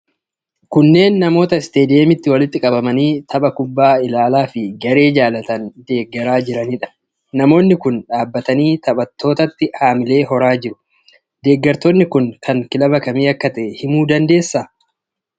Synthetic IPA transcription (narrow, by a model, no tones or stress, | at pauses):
kʊnːe̞ːnːɐmo̞ːt̪ɐɪst̪e̞ːd̪ɪemɪt̪ːɪwɐlɪt̪ːɪkʼɐbɐmɐniːt̪ʰɐbɐkʊbːaːɪlaːlaːfɪɡɐɾe̞ːd͡ʒaːlɐt̪ɐnd̪e̞ːɡːɐɾaːd͡ʒɪɾɐniːᶑɐ̥ | nɐmo̞ːnːɪkʊnᶑaːbːɐt̪ɐniːt̪ɐɓɐt̪ʰːo̞ːt̪ɐt̪ːɪhaːmɪle̞ːɦɔɾaːd͡ʒɪɾʊ̥ | d̪e̞ːɡːɐɾt̪ɔnːɪkʊŋkʰɐŋkɪlɐbɐkɐmiːɐkːɐt̪ɛhɪmuːd̪ɐnd̪e̞ːsːaː